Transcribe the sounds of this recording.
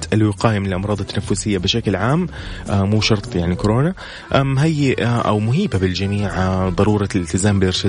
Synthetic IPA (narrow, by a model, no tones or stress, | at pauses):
t̪ʔalwɪqɑːjamnɪlʔɑmɾˤɑːd̪ˤɑt̪ːanafːʊsɪjːabɪʃaklʕaːmʔmuːʃɑɾˤt̪ˤjaʕnikʊɾoːna | ʔmɦajːɪʔaʔa̰wmʊɦiːbabɪld͡ʒamiːʕd̪ˤɑɾuːɾˤɑlɪlt̪ɪzaːmbɪlʔɪɾʃɪ